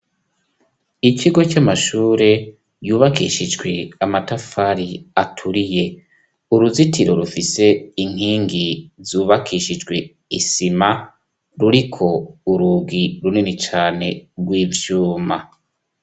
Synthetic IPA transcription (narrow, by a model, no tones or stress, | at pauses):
iciɡo̞camaʃuːɾe̞ | juːβakḭʃid͡ʒɡwe̞amatafaɾiatʰuɾije̞ | uɾuzitiɾo̞ɾufise̞iŋ̥iːŋɡizuːβakʰiʃid͡ʒɡwe̞ | isima | ɾuɾikʰo̞uɾuːɡiɾuninit͡ʃaːne̞ɾɡwiːvjuːma